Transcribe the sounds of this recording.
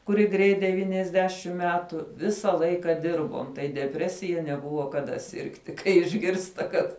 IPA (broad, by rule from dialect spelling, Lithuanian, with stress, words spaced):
kʊˈrʲɪ ˈɡrʲɛɪt dʲɛˈʋʲiːnʲɛzʲˌdʲæːʃʲɪm ˈmʲæːtʊ ˈʋʲɪsɐ ˈlˠɐɪkɐ ˈdʲɪrboːm tɐɪ dʲɛˈpʲrʲæːsʲɪjɛ nʲɛˈbʊʋoː kɐˈdɐ ˈsʲɪrktʲɪ kɐɪ ɪʒʲˈɡʲɪrstɐ ˈkɐt